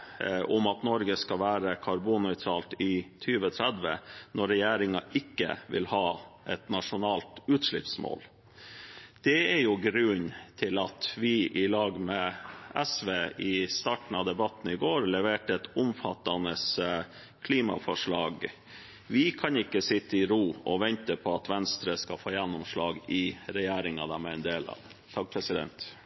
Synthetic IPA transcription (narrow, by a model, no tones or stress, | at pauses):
ʔʊmɑt̪nɔɾɡəskɑʋæːɾəkʰɑɾbunœʏt̪ʰɾɑːlt̪ɪt̪ʰyːʋət̪ʰɾæd̪ʋə̰nʔɔɾɛjeːɾɪŋɑʔɪkːə̰ʋɪ̰lhɑːʔɛt̪nɑʂʊnɑːlt̪ʉːt̪ʂɭɪpsmo̰ːl | d̪̥ɛɛɾjʊɡɾʉnt̪ʰɪlɑt̪ʋɪʔɪlɑːɡmɛɛsʋeːʔɪst̪ɑːʈn̩ɑʋd̪ɛbɑt̪n̩ɪɡoːɾlɛʋeːʈəɛt̪ʊmfɑt̪ːɑnəs | kʰliːmɑ̰fɔʂɭɑ̰ːɡ | ʋɪkʰɑnɪkːəsɪt̪ːəɪɾuːɔʋɛnt̪əpʰɔɑt̪ʋɛnst̪ɾəskɑfoːjɛnːʊmʂlɑːɡɪɾɛjeːɾɪŋɑd̪æmɛɛnd̪eːlɑ̰ | t̪ʰɑk̚pʰɾɛsɪd̪ɛ̰nt̪